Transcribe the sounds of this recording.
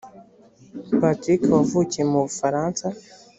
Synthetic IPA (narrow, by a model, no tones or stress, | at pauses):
batikwavuːcemuβufaɾaːnsa